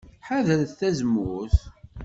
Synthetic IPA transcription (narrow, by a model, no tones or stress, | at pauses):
ħaðəɾθθæzəmʊθ